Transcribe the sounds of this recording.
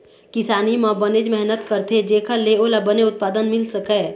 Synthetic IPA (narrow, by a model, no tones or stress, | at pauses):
kɪsaːnimãbəned͡ʒmɛɦnət̪kəɾt̪ʰed͡ʒeːkʰaleolabəneʊt̪̚paːd̪ənmɪlsəkɛ